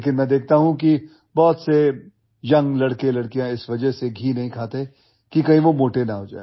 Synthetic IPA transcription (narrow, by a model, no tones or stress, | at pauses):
lekɪnmɛ̃ːd̪eːk̚ʰt̪aɦũki | bɔːt̪se | jɐ̃ŋɡlɐɽkelɐɽkijãɪsʋɐd͡ʒəɦseɡʱiːnɐɦĩkʰaːt̪e | kikɐɦĩʋomoːʈenɐɦoːd͡ʒa̰ːe